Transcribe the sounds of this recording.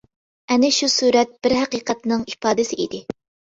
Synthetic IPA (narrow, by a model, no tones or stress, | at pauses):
ɛnɪʃusuːɾɛt̪̚b̥ɪɾɦæqiːqɛt̪nɨŋipɑːd̪ɪsɪʔḭd̪ɪ